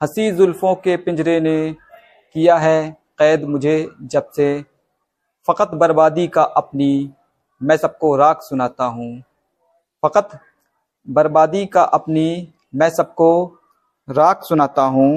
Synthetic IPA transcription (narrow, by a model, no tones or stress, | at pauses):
hɐsiːzʊlfõkepɪ̃nd͡ʒɾene | kijaɦɛ | qɛːd̪mʊd͡ʒʱed͡ʒɐbse | fɐqət̪bɐɾbaːd̪ikaʔɐpni | mɛ̃ːsɐb̚koɾaːksʊnaːt̪aɦũː | fɐqət̪ | bɐɾbaːd̪ikaʔɐpni | mɛ̃ːsɐb̚ko | ɾaːksʊnaːt̪aɦũː